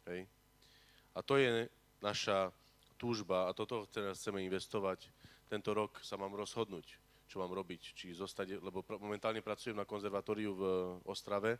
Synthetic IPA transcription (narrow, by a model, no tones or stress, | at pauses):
ɦɛj | at̪ɔjɛ | naʃa | t̪uːʒbaːt̪ɔt̪ɔxt͡sɛxt͡sɛmɛinʋɛst̪ɔʋact̪ɛnt̪ɔɾɔksamaːmɾɔzɦɔd̪nuːc | t͡ʃɔmaːmɾɔbict͡ʃizɔst̪aɟlɛbɔmɔmɛnt̪aːlɲɛpɾat͡sujɛmnakɔnzɛɾʋat̪ɔːɾiuvɔst̪ɾaʋɛ